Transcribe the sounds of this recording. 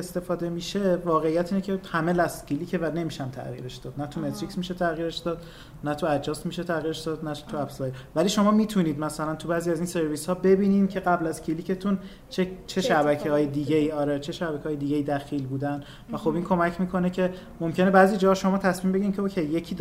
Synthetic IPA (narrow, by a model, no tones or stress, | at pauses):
est̪e̞fɒːd̪e̞miʃe̞vɒːɣeijæt̪ʰiːnecʰe̞hæmelæst̪cʰiliːcʰe̞væne̞miʃæmt̪ʰæ̰ɣḭːɾe̞ʃd̪ɒːd̪̚næt̪ʰume̞t̪ɾicsmiʃet̪ʰæɣiːɾeʃd̪ɒːd̪ | næt̪ʰuæd͡ʒɒːst̪miʃet̪ʰæɣiːɾeʃd̪ɒːd̪næt̪ʰuæbsɒjevæliːʃo̞mɒːmiːt̪ʰuniːd̪mæsælænt̪ʰubæːziæziːnse̞ɾviːshɒːbe̞biːniːmcʰe̞ɣæblæzcʰiliːcʰe̞t̪ʰun | t͡ʃʰet͡ʃʰe̞ʃæbækʰehɒːjed̪iːɟeiːɒːɾet͡ʃʰe̞ʃæbæcʰeɒːjed̪iːɡeiːd̪æxiːlbuːd̪æn | væxo̞biːnkʰo̞mæcʰmiːkʰo̞ne̞cʲʰe̞ | mo̞mcʰe̞ne̞bæːziːd͡ʒɒːhɒʃo̞mɒːt̪ʰæsmiːmbeɟʲimcʰeokʰejːe̞cʰiːd̪